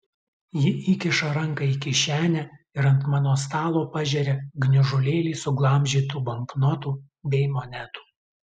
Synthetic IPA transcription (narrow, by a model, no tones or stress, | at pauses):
jɪʔikʲɪʃɐɾɐŋkɐikʲɪʃʲæːnʲɛ | ɪɾɐnt̪mɑːnoːst̪ɑːlˠoːpɑʒʲɛɾʲeɡnʲɪʒʊlʲeːlʲiːsʊɡlˠɐmʲʒʲiːt̪uːbɐŋknɔt̪uː | bʲɛɪmonʲæt̪u̥ː